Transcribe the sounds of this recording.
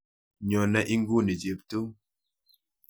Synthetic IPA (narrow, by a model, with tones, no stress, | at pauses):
ɲɔ˨na˦ʔi˦ŋɡu˦˨ni˨d͡ʒi˨p̚tu˦